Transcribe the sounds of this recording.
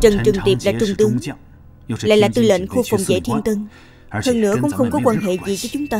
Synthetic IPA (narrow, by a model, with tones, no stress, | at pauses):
t͡ɕə˨˩nt͡ɕɨ˨˩ŋt̪i˨˩p̚laː˨˩t͡ɕʊ˨˧˩ŋ͡mt̪ɨ˧əŋ | la̰ː˧˨jlaː˨˩t̪ɨ˧˩lə̰˧˨nxu˧fɔ˨˩wŋ͡mzḛ˧˥t̪ʰi˧ənt̪ɨ˧ŋ | həː˧nnɨ̰˧˥əkʊ̰˧˥wŋ͡mxə˧wŋ͡mkɔ˨˦kwaː˧nɦḛ˧˨zḭ˨˩vəː˨˦t͡ɕʊ˨˦ŋ͡mt̪aː˧